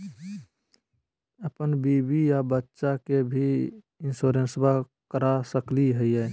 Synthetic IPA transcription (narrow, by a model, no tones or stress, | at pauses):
əpənbiːbijabətːʃakebʱi | ɪnsoːɾẽnsba | kəɾasəkliɦɛiɛː